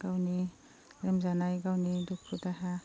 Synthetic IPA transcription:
ɡ̥awni | ɾemzanajɡawnidukʰɾudaɦa

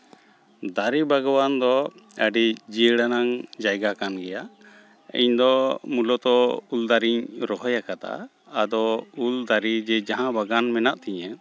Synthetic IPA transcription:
d̪aɾibaɡɔwand̪ɔəɖid͡ʒiɽanaŋd͡ʒajɡakanɡɛja | ḭɲd̪ɔmulɔt̪ɔuld̪aɾiɲɾɔɦɔjakat̪a̰ː | d̪ɔuld̪aɾid͡ʒɛd͡ʒaɦãbaɡanmɛnaʔt̪ɛɲɛ̃

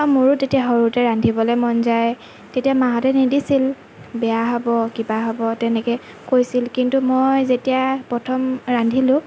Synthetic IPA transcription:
amuɹutetiaɦɔɹutɛɹandʱibɔlɔjmɔnzaj | tetiamaɦɔtɛnidisil | bɛjaɦɔbɔkibaɦɔbɔtɛnɛkɛ | kojsilkintumojzetijapɹɔtʰɔmɹandʱilʊ̃

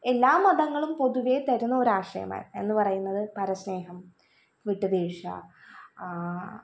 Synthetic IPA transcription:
e̞lːaːmːɐɽɐŋːɐɭumpo̞ðuʋet̪ɐɾunːɐoɾaːʂɐ̰jɐ̰ma̰ːɾe̞̰nːɨpɐrɐjunːɐðɨpɐɾɐsne̞ːɦɐm | ʋiʈːɨbiːʂɐ̰

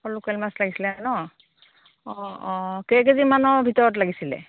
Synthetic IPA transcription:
pɔlukalmaslaɡisilɛaɛnɔ | ɔkeɡ̬ezimanɔbʱitɔɹɔt̬laɡisilɛ̰

